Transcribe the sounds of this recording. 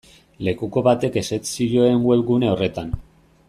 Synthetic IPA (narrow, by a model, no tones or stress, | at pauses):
le̞kuko̞βat̪e̞ke̞se̞t̪siʎoeŋɡwe̞βɣune̞o̞re̞t̪an